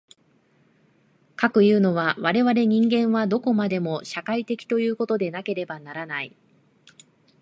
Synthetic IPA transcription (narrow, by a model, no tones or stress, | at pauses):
kakɯ̟jɯ̟ːno̞βaβaɾe̞βaɾe̞ɲ̟ĩŋɡẽ̞ɰ̃βad̪o̞ko̞mad̪e̞mo̞ɕakait̪e̞kʲi̥t̪o̞jɯ̟ːko̞t̪o̞d̪e̞nake̞ɾe̞banaɾanai